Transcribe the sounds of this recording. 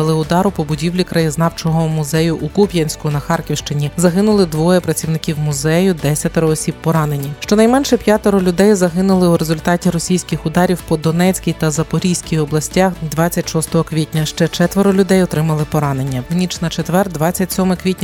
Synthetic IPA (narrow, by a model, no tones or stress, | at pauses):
ɐlˠɪʊd̪ɑɾʊpɔbʊdʲiwlʲikɾɐjiznɑwt͡ʃɔɦɔmʊzɛjʊʔukupʲjɐnʲsʲkʊnɐxɑrkʲiwʃt͡ʃɪnʲizɐɦɪnʊlˠɪd̪ʋɔjɛpɾɐt͡sʲiwnɪkʲiwmʊzɛjʊd̪ɛsʲɐt̪eɾɔːsʲippːɔɾɑnenʲiʃt͡ʃɔnɐjmɛnʃɛpʲjat̪ɔɾɔlʲʊd̪ɛjzɐɦɪnʊlˠɪuɾezʊlʲt̪ɑtʲiɾɔsʲijsʲkʲɪxʊd̪ɑɾʲiwpɔd̪ɔnɛt͡sʲkʲijt̪ɐzɐpɔɾʲijsʲkʲijɔblˠɐsʲtʲaxd̪ʋɑt͡sʲːɐtʲʃɔst̪ɔɦɔkʋʲitʲnʲɐʃt͡ʃɛt͡ʃɛt̪ʋeɾɔlʲʊd̪ɛjɔt̪ɾɪmɐlˠɪpɔɾɑnenʲːɐʋnʲit͡ʃnɐt͡ʃet̪ʋɛrd̪ʋɑt͡sʲːɐtʲsʲɔmɪkʋʲitʲnʲɐ